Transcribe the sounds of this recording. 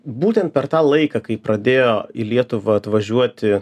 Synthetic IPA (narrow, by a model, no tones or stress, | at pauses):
buːt̪ʲɛnt̪̚pʲɛɾt̪ɑːlˠɐɪkɐkɐɪpɾɐd̪ʲeːjoːilʲiɛt̪ʊʋɐɐt̪ʋɐʒʲuɔt̪ʲɪ